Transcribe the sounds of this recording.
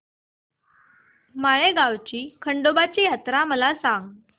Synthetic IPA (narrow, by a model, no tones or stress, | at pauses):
maɭeɡawt͡ɕiːkʰəɳɖobat͡ɕiːjat̪ɾaməlasaŋɡ